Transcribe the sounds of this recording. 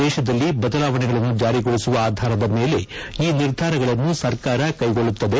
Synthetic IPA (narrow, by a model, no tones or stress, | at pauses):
ɛːʃɐd̪ɐlːibɐd̪ɐlaːʋɐɳɛɡɐɭɐnːud͡ʒaːɾiɡoɭisuʋɐaːd̪ʱaːɾɐd̪ɐme̞ːle̞ | iːniɾd̪ʱaːɾɐɡɐɭɐnːusɐɾkaːɾɐkɐjɡo̞ɭːut̪ːɐd̪e̞